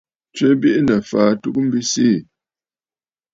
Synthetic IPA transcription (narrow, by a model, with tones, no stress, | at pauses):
t͡ʃɛ˦bi˦ʔnə˨faː˨˦tu˦k̚m̩˦bi˦siː˦˨